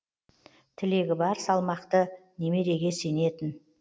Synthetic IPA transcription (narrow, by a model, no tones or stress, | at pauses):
t̪ʰɪle̞ɡʲɪbɑɾsɑlˠmɑqt̪əne̞me̞d̪e̞ɡʲe̞se̞ne̞t̪ɪn